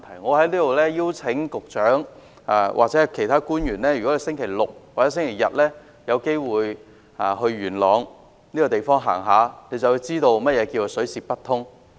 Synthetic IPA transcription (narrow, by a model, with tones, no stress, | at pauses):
nt̪ʰɐ˨˩jŋɔː˨˧hɐ˨˥jliː˥t̪o˨wlɛː˥jiː˥wt͡sʰɪ˨˥ŋkʊ˨k̚t͡ʃœː˨˥ŋ | ʔa˧wʔa̰˨k̚t͡sɛː˨˥˧kʰe˨˩jt̪ʰaː˥kuː˥njyː˨˩nlɛː˥jy˨kɔ˨˥le˨˧jsɪ˥ŋkʰe˨˩jlʊ˨k̚waː˨k̚t͡sɛ˨˦˥sɪ˥ŋkʰe˨˩jːɐ˨t̚lɛː˥ | jɐ˨˧wke˥jwuː˨˧j | a˨ɦɵ˧ɥːyː˨˩nlɔː˨˧ŋ | niː˥kɔː˧t̪e˨jfɔː˥ŋɦa̰ː˨˩ŋɦaː˨˧ne˨˧jt͡sɐ˨wu˨˧jt͡siː˥t̪o˧wmɐ˥t̚jɛː˨˧kiː˧wsɵ˨˥ɥsiː˨p̚ɐ˥t̪ʰʊ˥ŋ